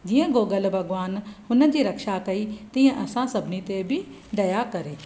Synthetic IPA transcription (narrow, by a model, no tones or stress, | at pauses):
d͡ʑiːə̃ɡoːɡəlbʱɐɡʋaːnhʊnəd͡ʑiːɾɐkʃakɐit̪ĩːə̃ʔɐsãsɐbnit̪ebʱi | ɖ̪ɐjakɐɾeː